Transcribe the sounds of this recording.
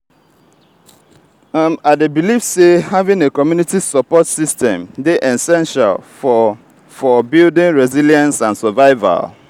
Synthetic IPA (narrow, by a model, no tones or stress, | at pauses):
amaɪdebilifsehavĩŋekɔmjunitisɔpɔtsistɛ̃mdeʔɛsɛ̃nʃa̰lfɔ | fɔbildĩnɹɛziljãnsãnsɛvaɪva̰l